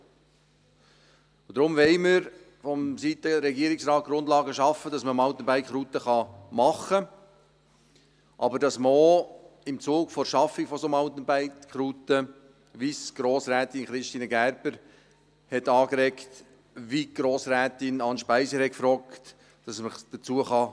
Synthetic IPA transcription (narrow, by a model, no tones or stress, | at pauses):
d̥̪ɾʊmʋɛɪməɾ | fɔmsit̪əɾɛɡiːɾɪksɾɑːt̪̚ɡ̥ɾʊndlɑːɡəʃɑfədɑsməmɑʊt̪ən̩bæɪkχɾuːt̪əχɑmɑχə | ʔɑbəɾdɑsməo | ɪmt͡suːɡfɔɾʃɑfːɪɡfɔsomɑʊt̪ənbæɪkχɾutə | ʋisɡ̥ɾoːsɾæːt̪ɪnχɾɪʃtiːnəɡæɾbəɾ | hɛtɑːkɾɛkt | ʋiɡ̥ɾoːsɾæːtɪnɑnʃpæɪsəhɛkfɾɔːkt | d̥ɑsməd̥ət͡suəχɑ